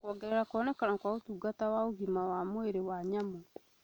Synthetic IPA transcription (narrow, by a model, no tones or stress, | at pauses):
kɔɡɛɾɛɾakwɔnɛkanakwaotuːɡatawaoɣimawamoeɾewaɲamo